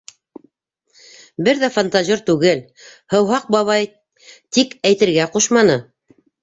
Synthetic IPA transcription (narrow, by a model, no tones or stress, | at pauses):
bɘɾðæfant̪aʑiɾt̪ʉɡɘl | hɤ̆wɦɑq̚bɑβɑj | t̪ikæjt̪ɘ̆ɾɡæquʃmɑnɤ